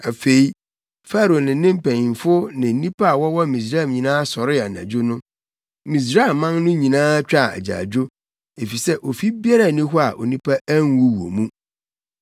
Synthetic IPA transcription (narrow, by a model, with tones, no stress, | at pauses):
a˨fe˨i˦ | fa˦ɾo˨nɪ̃˨˦nɪ̃˦m̩˦pʰæ̃˨ɲĩ˨m˨fʊ˦nɪ̃˨n̩˦nĩ˦pʰa˦a˨wɔ˦wɔ˦mĩ˨s̬ɾa˦ɛ˨ɲĩ˨nãː˦sɔ˨ɾɪ˦a˨nã̰˨d͡ʑʊ˦nʊ̃˦ | mĩ˨s̬ɾa˦˨mːã˦ŋnʊ̃˦ɲĩ˨nãː˦t͡ɕᶣa˦˨æ̰˨d͡ʑa̰ː˨d͡ʑᶣo˦ | e˨fi˨sɛ˦ʔo˨fi˦bi˦a˦ɾa˦˨nĩ˦ɦʊ˦a˨ʔo̰˨nĩ˦pʰa˦æ˦ŋ˦wu˦wo̰˨mũ˦